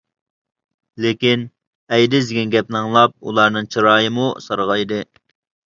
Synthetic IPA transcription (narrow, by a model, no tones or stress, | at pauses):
lekʲin | ɛjd̪ɪzɪɡʲɛnɡʲɛp̚nɨŋlˠɑp̚ṵlˠɑɾnɨŋt͡ʃʰiɾɑːjəmusɑɾʁɑjd̪ɨ